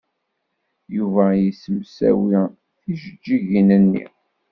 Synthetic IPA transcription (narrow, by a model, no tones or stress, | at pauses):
juvæjisəmsæ̰wi | θiʒəd͡ʒːiʝinənːḭ